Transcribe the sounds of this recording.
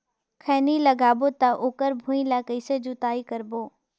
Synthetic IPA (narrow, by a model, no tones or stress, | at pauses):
kʰɛːniləɡaːbot̪aʔoːkəɾbʱũːĩlakəɪsed͡ʒʊt̪aːikəɾboː